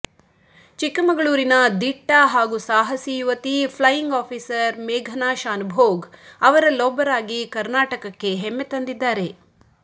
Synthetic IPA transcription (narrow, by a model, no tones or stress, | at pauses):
t͡ʃikːɐmɐɡɐɭuːɾinɐd̪iʈːɐɦaːɡusaːɦɐsijuʋɐt̪ipʰlɐjiŋɡaːpʰiːsɐɾmɛːɡʱɐnaːʃaːnbʱoːɡɐʋɐɾɐlɔːbɐɾaːɡikɐɾnaːʈɐkɐkːe̞ɦɛmːet̪ɐnd̪id̪ːaːɾe̞